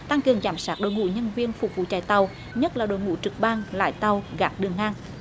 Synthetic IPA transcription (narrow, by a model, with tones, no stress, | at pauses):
t̪a˧ŋkɨ˨˩əŋzaː˧˩msaː˦˥t̚ɗo̰˧˨jŋṵ˧˨˥ɲə˧nvi˧ənfʊ˨˩k͡p̚vṵ˧˨t͡ɕa̰ː˧˩jt̪ə˨˩w | ɲə˦˥t̚laː˨˩ɗo̰˧˨jŋṵ˧˥t͡ɕɨ˨˩k̚ɓaː˧ŋla̰ː˧˥jt̪ə˨˩wɣaː˨˦˥k̚ɗɨ˨˩əŋʔaː˧ŋ